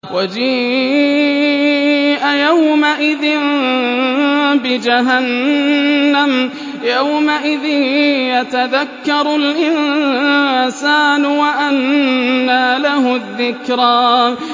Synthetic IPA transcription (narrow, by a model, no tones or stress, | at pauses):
wʔad͡ʒiː | ʔajawmaʔɪðɪn | bɪd͡ʒaɦanː | am | jawmaʔɪðɪnjat̪aðakːɑɾˤʊlʔɪn | saːnʊwaʔanːaːlahʊðːɪkɾaː